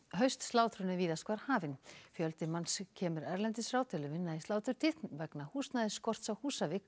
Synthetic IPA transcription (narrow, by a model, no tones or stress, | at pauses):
hœɥst̪st̪laːwt̪ʰɾʏnɪviːðaskvaɾ̥haːvɪnfjœlt̪ɪmanscʰɛːmʏɾɛɾlɛnt̪ɪsraːwt̪ʰɪlʏvɪnːaðisaːwt̪ʰʏɾ̥t̪ʰɪt̪nvɛknahuːst̪naðɪskɔr̥t̪sawhuːsavɪk